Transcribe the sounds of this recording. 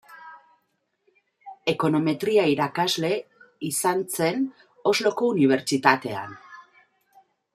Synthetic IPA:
e̞ko̞no̞me̞t̪ɾiaiɾakazle̞isant͡se̞n | o̞zlo̞ko̞uniβ̞e̞ɾt͡ʃit̪at̪e̞a̰n

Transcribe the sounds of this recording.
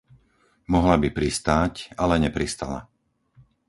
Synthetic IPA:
mɔɦlabipɾist̪aːcalɛɲɛpɾist̪a̰la̰

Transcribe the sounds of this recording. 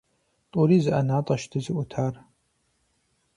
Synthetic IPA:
tʼʊɾiːzɨʔɐnaːtʼɐʃtʰɨzɨʔʷʊtʰaːr

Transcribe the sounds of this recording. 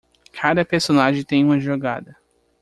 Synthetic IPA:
kʰad̪ɐpeɾsonaʒẽj̃t̪ẽj̃ũmɐʒoɡa̰d̪ɐ

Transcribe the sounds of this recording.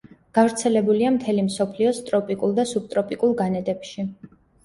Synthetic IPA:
ɡ̥avɾt̪sʰɛlɛbuliamt̪ʰɛlimsɔpʰliɔst̪ʼɾɔpʼikʼulˠd̪asub̚t̪ʼɾɔpʼikʼulˠɡanɛd̪ɛpʃi

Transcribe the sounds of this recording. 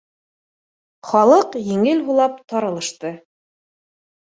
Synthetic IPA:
χɒlˠɤqjĭŋɘlɦulˠɑp̚t̪ɑɾɤ̆lˠɤ̆ʃt̪ɤ

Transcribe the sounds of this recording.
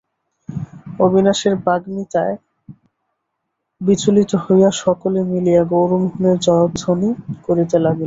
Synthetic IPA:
obʱinaʃeɾbaɡmit̪ae | bit͡ɕolit̪ohojaʃɔkolemilijaɡowɾumɦuneɾd͡ʑɔeod̪d̪ʱonikoɾit̪elaɡil

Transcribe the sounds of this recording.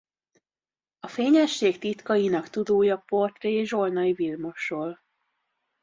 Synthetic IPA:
ɒfeːɲɛʃːeːkt̪it̪kɒjinɒkt̪ud̪oːjɒpo̞rt̪reʒo̞lnɒjivilmo̞ʃoːl

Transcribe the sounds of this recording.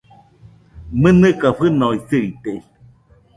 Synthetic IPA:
mɨnɨkaɸɨnoisɨit̪e

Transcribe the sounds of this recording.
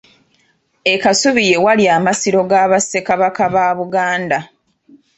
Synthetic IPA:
e̞kasuβije̞waljaːmasiɾo̞ɡaːβase̞kaβakaβaːβuɡaːnda

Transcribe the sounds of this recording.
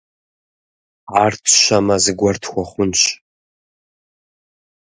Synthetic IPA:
ʕartʰʃɐmɐzɨɡʷɐrtʰxʷɔχʷʊnɕ

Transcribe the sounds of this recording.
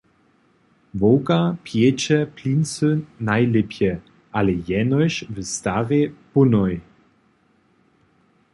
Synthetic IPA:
vowkapjɛt͡ɕɛpʰliːnsønːajlɪpjɛ | ʔalɛjɛnɔɕvəstaʁepʊnɔj

